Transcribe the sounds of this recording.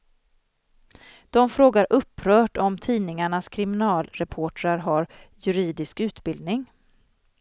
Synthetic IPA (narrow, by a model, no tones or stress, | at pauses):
d̪̥ɔmfɾoːɡaɾʔɵpːɾœːʈɔmt̪ʰiːnɪŋaɳaskʰɾɪmɪnɑːlɾɛpʰoːʈɾaɾɦaɾjɵɾiːd̪ɪskʉ̟ːt̪bɪld̪nɪŋ